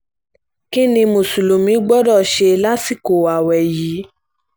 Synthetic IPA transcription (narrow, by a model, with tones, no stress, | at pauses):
kĩ˦nĩ˧mo˨su˨lo˨mĩ˨˦ɡ͡bɔ˦dɔ˦˨ʃe˧la˦si˦˨ko˨wa˨wɛ˨jiː˨˦